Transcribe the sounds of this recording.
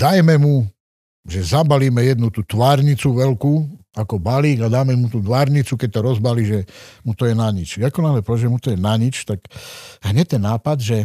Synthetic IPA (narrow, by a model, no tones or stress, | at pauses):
d̪̥ajmɛmu | ʒɛzabaliːmɛjɛd̪nut̪uːt̪ʋaːɾɲit͡suʋɛlkuakɔbaliːɡad̪aːmɛmut̪uːt̪ʋaːɾɲit͡sukɛc̚t̪ɔɾɔzbaliːʒɛmut̪ɔjɛnaɲit͡ʃjakɔnaɦlɛpɔʋɛd͡ʒʒɛmut̪ɔjɛnaɲit͡ʃt̪akɦɲɛc̚t̪ːɛnːaːpad̪ʒɛ